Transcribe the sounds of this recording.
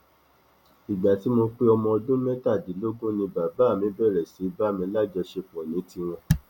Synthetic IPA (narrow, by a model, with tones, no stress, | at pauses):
i˨ɡ͡ba˨ti˨˦mo˧k͡pe˦ɔ˧mɔ̃˧ɔ˧dũ˦mɛ̃˦ta˦˨di˨˦lo˦ɡũ˦nĩ˧ba˨ba˨˦˨mĩ˨˦bɛ˦˨ɾɛ˨si˨˦ba˦˨mĩ˧˦la˦˨d͡ʒɛ˧ʃe˧˨k͡pɔ̃˨nĩ˨˦ti˧w̃ɔ̃˧